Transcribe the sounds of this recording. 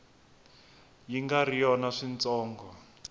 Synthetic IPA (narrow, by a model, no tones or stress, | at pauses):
jiŋɡarijɔnaʂint͡sɔːŋɡɔ